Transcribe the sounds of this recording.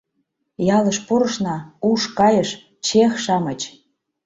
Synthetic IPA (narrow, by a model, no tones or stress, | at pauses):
jɑləʃpuɾə̆ʃnɑuʃkɑjəʃ | t͡ɕexʃɑmət͡ɕ